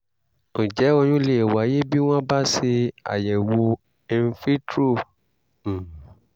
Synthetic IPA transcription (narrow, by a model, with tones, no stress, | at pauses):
õ˨d͡ʒɛ˨˦ɔ˧ɲ̃ũ˦le˨wa˨˦je˦bi˦w̃ɔ̃˦ba˦se˧a̰˨jɛ˨wo˧ | ɛ˧n̩˦fi˦tɾũ˦˨